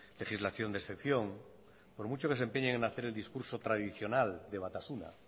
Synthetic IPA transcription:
le̞χizlaθjo̞nd̪esθe̞kθjo̞ŋ | po̞ɾmut͡ʃo̞ke̞se̞mpe̞ɲeŋenaθe̞ɾe̞ld̪iskuɾso̞t̪ɾaðiθjo̞nald̪e̞β̞at̪asuna̰

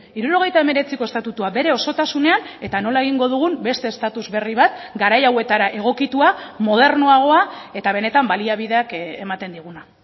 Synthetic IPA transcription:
iɾuɾo̞ɣ̞e̞jt̪ae̞me̞ɾe̞t͡siko̞e̞st̪at̪ut̪uabe̞ɾe̞o̞so̞t̪asune̞ane̞t̪ano̞lae̞ɣ̞iŋɡo̞ð̞uɣ̞umbe̞st̪eːst̪at̪uzβe̞riβ̞at̪ɡaɾajawe̞t̪aɾaʔe̞ɣ̞o̞kit̪uamo̞ð̞e̞ɾnoaɣ̞o̞ae̞t̪aβ̞e̞ne̞t̪ambaliaβiðe̞ake̞mat̪e̞nd̪iɣ̞una

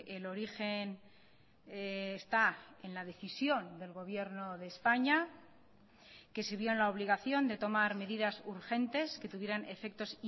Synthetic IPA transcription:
elo̞ɾixe̞n | st̪aenlað̞e̞θisjo̞nd̪e̞lɣo̞βje̞ɾno̞ðe̞ːspaɲa | ke̞seβjo̞enlao̞βliɣaθjo̞nd̪e̞t̪o̞maɾme̞ðiðasuɾxe̞nt̪e̞ske̞t̪uβje̞ɾane̞fe̞k̚t̪o̞si

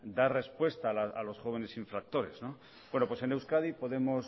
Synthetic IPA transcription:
d̪are̞spwe̞st̪aːlaalo̞sxo̞β̞e̞ne̞siɱfɾak̚t̪o̞ɾe̞̰zno̞ | bwe̞nopwese̞ne̞wskaðipo̞ðe̞mo̞s

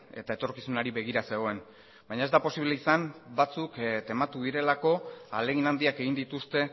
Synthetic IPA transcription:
e̞t̪ae̞t̪o̞ɾkisunaɾiβe̞ɣiɾase̞ɣ̞o̞e̞n | bajɲae̞zd̪apo̞siβle̞isambat͡sukt̪e̞mat̪uðiɾe̞lako̞ale̞ɣinand̪iake̞ɣind̪it̪ust̪e̞

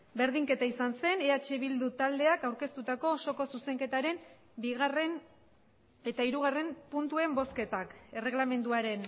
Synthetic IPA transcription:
be̞ɾðiŋke̞t̪aisanse̞ne̞at͡ʃe̞βild̪ut̪ald̪e̞akawɾke̞st̪ut̪ako̞so̞ko̞suse̞ŋke̞t̪aɾe̞m | biɣare̞n | e̞t̪aiɾuɣ̞are̞mpunt̪ue̞mbo̞ske̞t̪ake̞re̞ɣlame̞nd̪uaɾe̞n

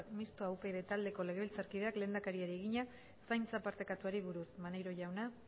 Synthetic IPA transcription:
mist̪oawpe̞ðe̞t̪ald̪e̞ko̞le̞ɣeilt͡saɾkið̞e̞akle̞ːnd̪akaɾiaɾie̞ɣiɲa | sajnt͡sapaɾt̪ekat̪uaɾiβuɾusmanejɾo̞ʝawna

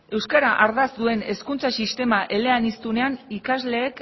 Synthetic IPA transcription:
e̞wskaɾaʔaɾðazd̪ue̞ne̞skunt͡sasist̪e̞maʔe̞le̞anist̪une̞anikazle̞ːk

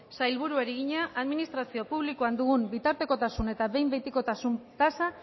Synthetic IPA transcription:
sajlβuɾuaɾiɣiɲaʔaðminist̪ɾasio̞puβlikuand̪uɣumbit̪aɾt̪e̞ko̞t̪asune̞t̪aβe̞jmbe̞jt̪iko̞t̪asunt̪asa

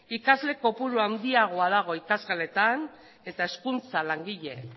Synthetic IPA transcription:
ikazle̞ko̞puɾuand̪iaɣ̞o̞aðaɣ̞o̞ikazɣale̞t̪an | e̞t̪ae̞skunt͡salaŋɡiʎe̞

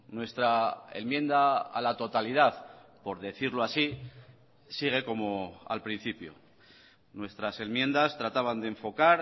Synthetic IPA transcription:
nwe̞st̪ɾaḛnmjẽ̞nd̪aa̰lat̪o̞t̪alið̞aθpo̞ɾðe̞θiɾloasi | siɣ̞e̞ko̞mo̞a̰lpɾin̟θipjo̰ | nwe̞st̪ɾase̞mje̞nd̪ast̪ɾat̪aβand̪eɱfo̞kaɾ

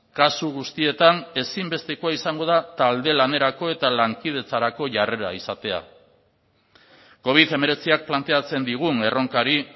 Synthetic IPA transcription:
kasuɣ̞ust̪ie̞t̪ane̞simbe̞st̪e̞koaisaŋɡo̞ð̞at̪ald̪e̞lane̞ɾako̞e̞t̪alaŋkið̞e̞t͡saɾako̞ʝare̞ɾa̰isat̪e̞a̰ | ko̞β̞iðe̞me̞ɾe̞t͡siak̚plant̪e̞at͡se̞nd̪iɣ̞une̞ro̞ŋkaɾi

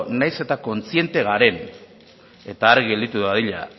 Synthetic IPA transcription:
najse̞t̪ako̞nt͡sie̞nt̪e̞ɣaɾe̞n | e̞t̪aːɾɣe̞ld̪it̪uðaðiʎa̰

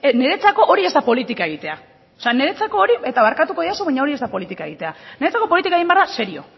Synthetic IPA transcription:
ne̞ɾe̞t͡sako̞ʔoɾie̞zd̪apo̞lit̪ikae̞ɣ̞it̪e̞a | oseane̞ɾet͡sako̞ːɾie̞t̪aβaɾkat̪uko̞ðiasoβaɲao̞ɾie̞zd̪apo̞lit̪ikaeɣit̪e̞ane̞ɾe̞t͡sako̞po̞lit̪ikaeɣimbearðase̞ɾio̞̰

